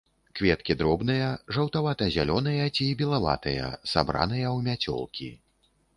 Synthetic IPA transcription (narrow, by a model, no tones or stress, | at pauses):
kvʲɛt̪kʲid̪ɾɔbn̪ɨjɐʐɐwt̪avat̪ɐzʲalʲɔnɨjɐt͡sʲibʲilˠava̰t̪ɐjɐ̰sa̰bɾa̰nɨjɐwmʲat͡sʲɔ̰lˠkʲḭ